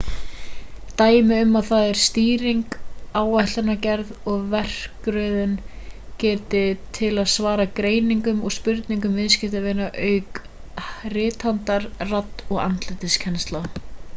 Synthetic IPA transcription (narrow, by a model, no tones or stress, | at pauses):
t̪aːjmɪʏmːaðθaðɛɾ̥st̪iːɾiŋkaːwaht̪anacɛɾðɔɣvɛr̥kɾœɥðʏncɛːt̪ɪt̪ʰɪlaðsvaːɾakɾeːjniŋkʏmɔɣspʏɾt̪niŋkʏmvɪðscɪht̪avɪnːaʔœːɥk | rɪːt̪hant̪aɾrat̪ːɔɣa̰nt̪lɪt̪ɪscʰɛnst̪la